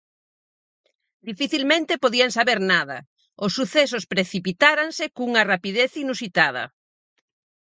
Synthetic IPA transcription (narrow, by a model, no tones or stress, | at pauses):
d̪ifiθilmẽnt̪epoðiaŋsaβeɾnaðɐ̰ | ʊsːuθesospɾeθipit̪aɾansekuŋɐrapiðeθinusit̪að̞ɐ̰